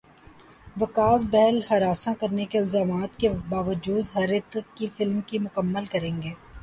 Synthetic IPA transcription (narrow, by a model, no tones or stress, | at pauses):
ʋɐkaːzbɛɦɛlhɐɾaːsãkɐɾnekeɪlzaːmaːt̪kebaːʋəd͡ʒuːd̪ɦɐɾɪt̪kifɪlmkimʊkəmːəlkɐɾẽːŋɡeː